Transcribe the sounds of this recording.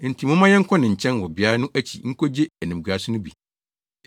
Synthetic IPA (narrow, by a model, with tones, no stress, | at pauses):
n̩˨tʰi˨mʊ̃˦mã˦jɛ˦ŋ̩˦kʰɔ̃˦nɪ̃˨ɲ̩˨t͡ɕʰɛ̃˦nwɔ˨bɪ˨a˦ɾa˦nʊ̃˦ʔæ˦t͡ɕʰḭ˨ŋ̩˦ko˦d͡ʑe˦æ˨nĩ˨m˨ɡu˨a˨sʊ˦nʊ̃˦bḭ˨